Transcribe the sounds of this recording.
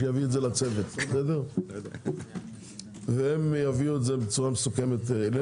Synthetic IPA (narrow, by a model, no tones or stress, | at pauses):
javiedzelat͡sevet̪sed̪eʁ | veemjaviuetzebet͡suʁamesuke̞met̪le